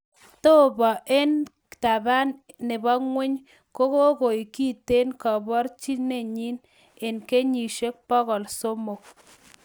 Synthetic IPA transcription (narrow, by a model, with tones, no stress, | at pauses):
t̪o˦bɔ˨ʔe˦nkta˨ba˦nːɪ˨bɔ˦ŋwʷɪ˦ɲ | ko˦ko˦ɣo˨i˨ki˦te˦nkɔ˨bɔ˦ɾt͡ʃi˦ne˦˨ɲi˦n | e˨nke˦ɲi˨ʃe˦k̚pɔ˦ɣɔ˨lso˦mo˨k̚